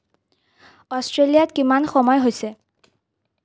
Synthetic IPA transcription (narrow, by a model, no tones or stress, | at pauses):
ɔstɹelijatkimanxɔmɔjɦojsɛ